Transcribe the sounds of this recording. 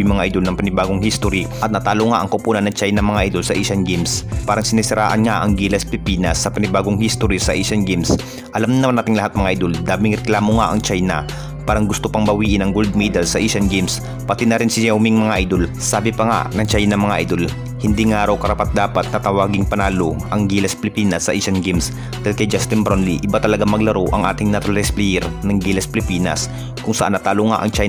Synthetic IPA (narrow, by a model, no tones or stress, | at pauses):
mɐŋaʔɐjd̪olnɐŋpɐnɪbaːɡoŋhist̪oɾiʔɐt̪̚nɐt̪aːloŋaʔɐŋkɐʊpuːnɐnːɐŋt͡ʃajnɐŋmɐŋaʔɐjd̪olsɐʔiʃɐnɡimspaːɾɐŋsɪnisɪɾʔa̰ːʔɐnŋaʔɐŋɡiːlɐspɪpiːnɐ̰sːɐpɐnɪbaːɡoŋhist̪oɾisɐʔiʃɐnɡims | ʔɐlamnnɐmanːaːt̪ɪŋlɐhat̪̚mɐŋaʔjd̪old̪aːmɪŋɾɛklaːmoŋaʔɐŋt͡ʃajnɐ̰ | paːɾɐŋɡʊst̪opɐŋbɐwiːʔɪnɐŋɡold̪̚miːd̪ɐlsɐʔiʃɐnɡims | pɐt̪inɐɾɪnsɪjɛwmɪŋmɐŋaʔajd̪olsaːbɪpɐŋa̰nɐŋt͡ʃajnɐŋmɐŋaʔa̰jd̪o̞l | hɪnd̪iŋaːɾɐwkɐɾapat̪̚d̪aːpɐt̪̚nɐt̪ɐwaːɡɪŋpɐnaːlo̰ʔɐŋɡiːlɐspɪlɪpiːnɐsːɐʔiʃɐnɡims | d̪ajlkɐjd͡ʒast̪ɪnbɾonliʔɪbat̪ɐlɐɡaŋmɐɡlɐɾoʔɐ̰ŋʔa̰ːt̪ɪŋnɐt̪olɾɛsplijɛɾnɐŋɡilɐspɪlɪpiːnɐ̰s | kʊŋsɐʔanːɐt̪aːloŋa̰ʔɐŋt͡ʃaj